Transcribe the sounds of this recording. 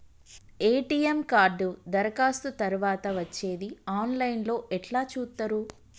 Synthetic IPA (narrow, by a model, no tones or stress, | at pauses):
eːʈiːemkaːɾɖud̪ɐɾɐkaːst̪ut̪ɐɾuʋaːt̪ɐʋɐt͡ʃːe̞ːd̪iaːnlɐjnlo̞ːʔɛʈlaːt͡ʃuːt̪ːɐɾu